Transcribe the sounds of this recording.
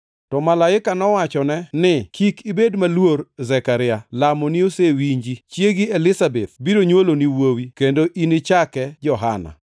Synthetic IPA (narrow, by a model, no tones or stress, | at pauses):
tɔmalaɪkanɔwat͡ʃɔnɛnɪkʰikibedmalworzɛkaɾɪalamɔniosewiɲd͡ʒit͡ʃjeɡɪelɪsabet̪̚biɾoɲwoloniwowikendoʔinɪt͡ʃakɛd͡ʒɔɦana̰